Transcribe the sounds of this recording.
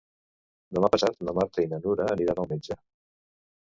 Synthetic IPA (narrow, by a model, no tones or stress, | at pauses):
d̪əmapəsat̪ləmaɾt̪əinənuɾəːniɾanəlˠmed͡ʒə